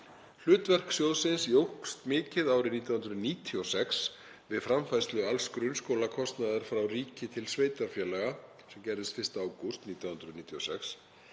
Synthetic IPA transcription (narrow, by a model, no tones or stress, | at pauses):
l̥ʏːt̪vɛr̥ksjowðsɪnsiowhkst̪mɪːcɪðaːwɾɪniːt̪jawhnɾʏðniːt̪ʰiɔsɛks | vɪðfɾamfajst̪lʏalskɾʏnskowlakʰɔst̪naðaɾ̥fɾawriːcɪt̪ʰɪlsveːjt̪aɾ̥fjɛːlɛɣa | sɛmcɛɾðɪst̪fɪr̥st̪aaːwkost̪niːt̪jawhʏnd̪ɾʏðniːt̪ʰiɔsɛks